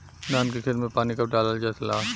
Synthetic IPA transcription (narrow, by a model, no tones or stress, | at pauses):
naːnkekʰɪɾmepaːnikɐp̚ɖaːləld͡ʒaːsɐlaː